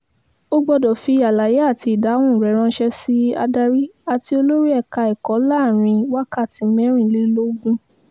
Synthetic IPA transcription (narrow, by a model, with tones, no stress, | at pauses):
o˦ɡ͡bɔ˧dɔ˨fi˧˦a˨la˨je˨˦a˦˨ti˧i˨da˨˦w̃ũ˦˨ɾɛ˨˦ɾ̃ã˧˦ʃɛ˧si˦a̰˧da˧ɾi˦a˨ti˧o˧lo˦ɾi˦ɛ˦˨ka˧ɛ˨kɔ˨˦laː˦˨ɾ̃ĩ˧wa˦ka˦˨ti˧mɛ̃˨˦ɾ̃ĩ˦˨li˦lo˦ɡũ˦